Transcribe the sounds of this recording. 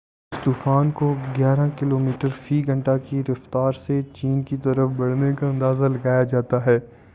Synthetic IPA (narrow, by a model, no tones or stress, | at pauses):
st̪uːfaːnkoɡjaːɾãkɪloːmiːʈəɾfiːɡʱɐ̃ɳʈakiɾɐft̪aːɾset͡ʃiːnkit̪ɐɾəfbɐɽ̤nekaɐ̃nd̪aːzalɐɡaːjad͡ʒaːt̪aɦɛː